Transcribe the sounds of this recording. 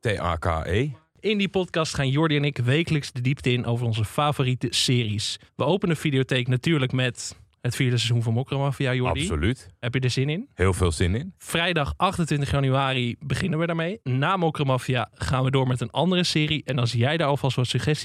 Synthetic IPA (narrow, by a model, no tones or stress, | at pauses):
teʔa̰ːka̰ej | ɪndipɔtkɑstχaːnjʊɹdiɛnɪkʋejkələksdədiptəɪnʔowvərɔnzəfaːvoːritəsɪːrisʋəowpənəfidiotejknatyːɹləkmɛt | ɦətfiːɹdəsɛzunvɑnmokromɑfiajʊɹ̰disolytɦɛpjədəzɪnɪnhɪːlˠvɪːlˠzɪnɪnfrɛjdɑχʔɑχtəntʋɪntəχjɑnyaːribəχɪnənʋədəɹmejnaːmokromɑfiaːχaːnʋədʊːɹmɛtənɑ̰ndərəsɪːriʔɛnɑlˠsjɛjdəɹɑlˠfɑlˠstʋɑtsəχɛst